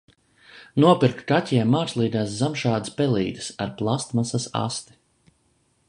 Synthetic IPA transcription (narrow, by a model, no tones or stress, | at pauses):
nuɔpiɾkkatʲiɛmːaːɾslˠiːɡaːszamʃaːd̪spɛlˠḭːd̪ɨsaɾplˠast̪masasa̰st̪i̥